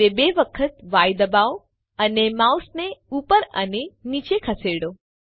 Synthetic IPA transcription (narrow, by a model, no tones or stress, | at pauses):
ebeʋəkʰət̪ʋajd̪əbao | ənemawsneupəɾə̰nenit͡ʃekʰəseɽo